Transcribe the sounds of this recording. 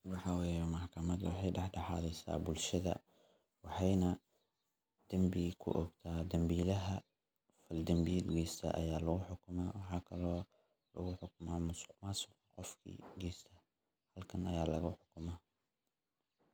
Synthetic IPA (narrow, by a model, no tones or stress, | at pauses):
wɑħɑwɛːjɛmɐħkʰɐmɐd̪wɑ̰ħɑjɖɛħɖɑħɑːlɛjsa̰ːbʊlʃɐðɐ̰ | wɑħɑjnɐ | d̪̥ɐmbikʰʊ̰ʔɔɡt̪ʰaːd̪ɐmbiːlɐɦɐ | fɐld̪ɐmbid̪ɡiːst̪ʰɐ̰ʔɐ̰jaːlɐɣʊħʊkʰʊmaːwɑħɑːkʰɐlɔː | lɐ̰ɣʊħʊkʊmaːmʊsqmasʊ | qɔfkʰḭːɡɛːst̪ʰɐ̥ | hɐlkʰɐnɐjaːlɐɣʊħʊkʰʊmaː